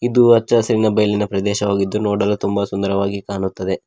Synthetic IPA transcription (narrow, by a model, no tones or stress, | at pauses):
id̪uɐt͡ʃːɐsɐɾinɐbɐjɐlinɐpɾɐd̪ɛːʃɐʋaːɡid̪ːunoːɽɐlut̪umbɐsund̪ɐɾɐʋaːɡikaːɳut̪ːɐd̪e̞